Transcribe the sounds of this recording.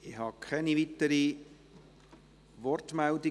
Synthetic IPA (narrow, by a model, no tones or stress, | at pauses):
ɪhɑkʰχɛnivitəɾi | vɔrtmældɪ